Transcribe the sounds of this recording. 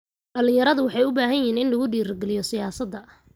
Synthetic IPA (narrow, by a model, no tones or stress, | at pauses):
ɖɐlɪ̃jɐɾɐðʊwɑħɑjʊbaːɦɐnjɪːnɪnlɐɣʊɖiːɾɡɛlɪjɔsɪjaːsɐd̪ːɐ